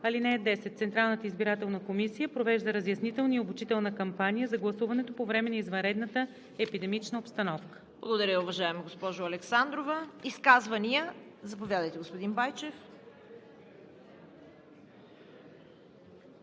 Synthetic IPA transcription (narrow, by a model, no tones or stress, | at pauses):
ɐlinɛːd̪ɛsɛt̪t̪sɛnt̪ɾalˠnət̪əizbiɾat̪ɛlˠnəkomisijəpɾovɛʒd̪əɾəzjɐsnit̪ɛlˠniobut͡ʃit̪ɛlˠnəkɐmpanijəzɐɡlˠɐsuvɐnɛt̪opovɾɛmɛnɐizvɐnɾɛd̪nət̪ə | ɛpid̪ɛmit͡ʃnəopst̪ɐnɔfkə̥b̥lˠɐɡod̪ɐɾʲjəʊvɐʒaɛmɐɡospɔʒʊɐlɛksand̪ɾovɐiskazvɐniəzɐpovʲjad̪əjt̪ɛɡospod̪inbajt͡ʃɛf